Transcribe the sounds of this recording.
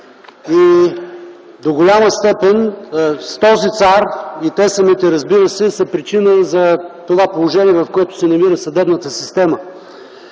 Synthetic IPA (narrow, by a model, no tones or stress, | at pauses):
i | d̪oɡolʲaməst̪ɛpɛnst̪ɔzit̪saɾit̪ɛsɐmit̪ɛɾɐzbiɾəsɛsɐpɾit͡ʃinəzɐt̪ovapolˠoʒɛniɛvɐfkoɛt̪ʊ̥sɛnɐmiɾəsɐd̪ɛbnət̪əsist̪ɛmə